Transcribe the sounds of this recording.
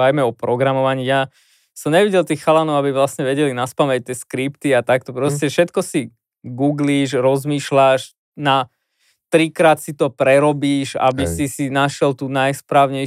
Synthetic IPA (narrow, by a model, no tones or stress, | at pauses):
ajmɛɔpɾɔɡɾamɔʋaɲiːja | sɔmɲɛʋiɟɛlt̪iːxxalanɔʊabiʋlasɲɛʋɛɟɛlinaspamɛc̚t̪ɪɛskɾipt̪iat̪ak̚t̪ɔpɾɔscɛfʃɛt̪kɔsi | ɡuːɡliːʃɾɔzmiːʃlaʃ | na | t̪ɾikɾaːt̪sit̪ɔpɾɛɾɔbiːʃa̰bisisinaʃjɛlt̪uːnajspɾaːʊɲɛ